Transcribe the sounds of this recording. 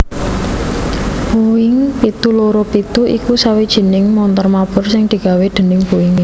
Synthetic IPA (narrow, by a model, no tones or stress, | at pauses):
b̥uɪŋpit̪uloɾopit̪uʔḭkusawid̥ʒ̥i̤nɪŋmɔnt̪ɔrmab̥ʊ̤rsɪŋd̪̥i̤ɡ̥a̤wed̪̥ə̤nɪŋbuɪŋ